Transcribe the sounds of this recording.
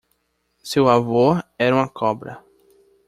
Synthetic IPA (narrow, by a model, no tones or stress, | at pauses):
sewavoɾɛɾɐũmɐkʰɔbɾɐ̰